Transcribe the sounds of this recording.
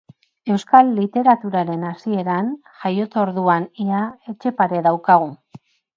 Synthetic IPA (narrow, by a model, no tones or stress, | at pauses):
e̞wskalːit̪e̞ɾat̪uɾaɾe̞nasie̞ɾan | ʝajo̞t͡s̪oɾðuaniae̞t͡ʃe̞paɾe̞ðawkaɣ̞u